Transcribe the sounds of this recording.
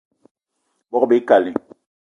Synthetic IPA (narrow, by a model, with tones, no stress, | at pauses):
bɔ˦˨be˨˦ka˨li˨